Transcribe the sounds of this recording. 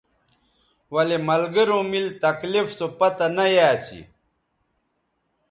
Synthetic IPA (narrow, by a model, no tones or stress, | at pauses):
wɐlemɐlɡɐɾõːmilt̪ɐklifsopɐt̪ɐnɐjaːt͡ɕḭ